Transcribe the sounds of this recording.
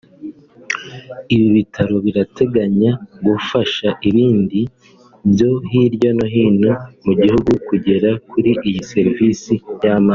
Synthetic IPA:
iβiβitʰaɾo̞βiɾatʰe̞ɡaɲaɡufaʃaʔiβiːndi | βjo̞ɦiɾɟono̞ɦiːnomuɟihuɡukuɟe̞ɾakuɾiʔijise̞ɾiviːsijama

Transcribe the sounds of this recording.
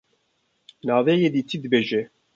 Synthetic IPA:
nɑːveːjeːd̪iːt̪ʰid̪ɨbeːʒɛ

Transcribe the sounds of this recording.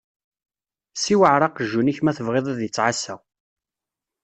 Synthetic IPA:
siwəʕɾˤɑqəʒːuniçmæθəvʁeðˤæðjət͡sːʕasæw

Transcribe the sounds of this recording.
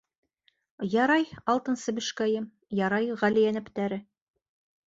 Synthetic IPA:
jɑɾɑjɑlˠt̪ɤ̆nsɤbɘ̆ʃkæjɘm | jɑɾɑjʁælijænɘ̆pt̪æɾɘ

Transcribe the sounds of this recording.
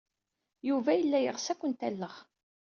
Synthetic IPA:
juvæjəlːæjəʁsækʷənt̪ælːəʁ

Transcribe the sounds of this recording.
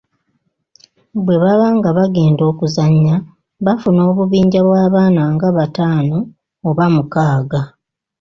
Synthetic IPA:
bwe̞βaβaŋɡaβaɡe̞ːndo̞ːkuzaɲːa | βafuno̞ːβuβiːɲɟaβwaːβaːnaːŋɡaβataːno̞ː | βamukaːɡa

